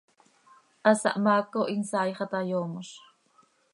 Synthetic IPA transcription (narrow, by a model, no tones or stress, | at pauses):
ʔasa̰ʔmakoʔinsaːjχɑt̪ajoːmoʃ